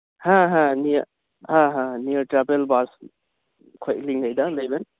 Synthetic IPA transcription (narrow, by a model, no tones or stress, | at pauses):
hãɦãni | hãɦãnijəɾʈɾabelbas | kʰojliŋajd̪alejben